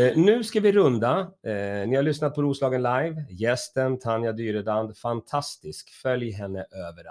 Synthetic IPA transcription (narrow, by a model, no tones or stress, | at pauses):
nʉ̟ːskavɪɾɵnd̪anɪhaɭʏsnat̪̚pʰɔɾuːslɑːɡənlajvjɛst̪ənt̪ʰanjad̪yːɾəd̪and̪fant̪ʰast̪ɪskfœljɦɛnːəʔøːvəɾ